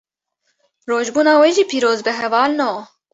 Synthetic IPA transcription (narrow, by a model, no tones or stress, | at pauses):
ɾoːʒbuːnɑːweʒiːpʰiːɾoːzbɨɦɛvɑːlnoː